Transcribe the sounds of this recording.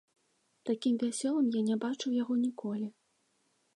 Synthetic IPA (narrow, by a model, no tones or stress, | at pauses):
t̪akʲimvʲasʲɔlˠɐmjanʲɛbat͡ʂuwjaɣɔnʲikɔlʲi